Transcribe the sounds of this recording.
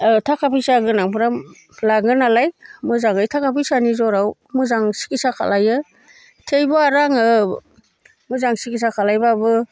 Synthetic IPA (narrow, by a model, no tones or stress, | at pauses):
tʰakʰapʰijsaɡɯnaŋpʰɯɾam | laɡɯnalajmɯzaŋɯjtʰakʰapʰijsanizɔɾaw | mɯzaŋsi̥kisakʰa̰lajɯ | tʰejbɔaɾaŋɯ | mɯzaŋsikis̬akʰalajbabɯ